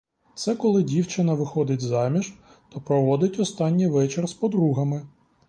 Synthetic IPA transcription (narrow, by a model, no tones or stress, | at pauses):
t̪sɛkɔlˠɪdʲiwt͡ʃɪnɐʋɪxɔd̪ɪtʲzɑmʲiʒ | t̪ɔpɾɔʋɔd̪ɪtʲɔst̪ɑnʲːijʋɛt͡ʃerspɔd̪ɾuɦɐmɪ